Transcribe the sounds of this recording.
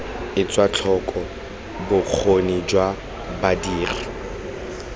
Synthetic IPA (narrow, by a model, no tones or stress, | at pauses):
ɪt͡sʼwat͡ɬʰɔkʼɔ | bʊk͡xʰonid͡ʒwa | badiːra